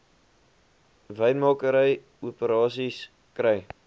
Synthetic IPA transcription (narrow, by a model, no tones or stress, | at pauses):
vəjnmɑːkəɾəj | uəpəɾɑːsis | krəj